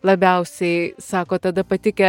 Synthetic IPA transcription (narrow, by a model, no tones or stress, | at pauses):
lˠɐbʲɛʊsʲɛɪsɑːkoːt̪ɐd̪ɐpɐt̪ʲɪkʲɛ